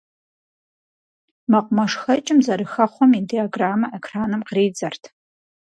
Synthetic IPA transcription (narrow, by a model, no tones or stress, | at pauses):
mɐqʷʊmɐʂxɐt͡ʃʼɪmzɐɾɨxɐχʷɔmidiaɡraːmɐʔekʰraːnɨmqriːd͡zɐrtʰ